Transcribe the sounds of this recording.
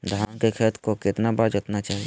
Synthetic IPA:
d̪ʱaːnkekʰɛt̪ʰkokɪt̪nabaːd͡ʒot̪nat͡ʃaːɦije

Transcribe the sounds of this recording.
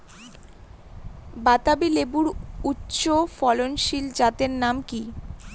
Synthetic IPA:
bat̪abilebuɾutːɕofɔlonʃild͡ʑat̪eɾnamki

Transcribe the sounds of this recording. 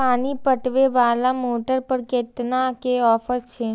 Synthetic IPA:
aːnipəʈʋeʋaːlamoːʈəɾpəɾkɪt̪nakeɔːfəɾt͡ʃʰeː

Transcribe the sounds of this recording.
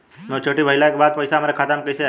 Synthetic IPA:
met͡ʃʰoʈibʱəilaekbad̪̚pəjsamaɾekʰat̪amkəise

